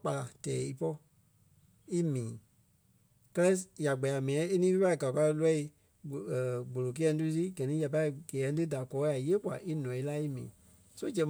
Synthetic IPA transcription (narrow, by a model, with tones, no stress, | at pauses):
k͡pa˨tɛː˨˦i˧pɔ˦ | i˦mĩː˨˦ | kɜ˦lɛ˦ja˨ɡ͡bɛ˨ja˨mĩ˨ɛ̃˦e˦nĩ˦i˦pa˦i˦˨ɡa˨ka˧lɛ˦i˧˨ | ɡ͡bo˨lo˨k̬e˦ɛ̃˧˦tu˦i˦˧t̬i˦ɡɜ˨nĩ˦ja˨pa˧i˦˨ɡ̥ɛː˨ɛ̃˧˦t̬ɨ˦da˨kɔː˨˦ja˨jeː˦kwa̰˨ʔi˦nɔ̃˨i˦la˦i˦mḭ̃ː˨ | so˦d͡ʒɛ̃˨˦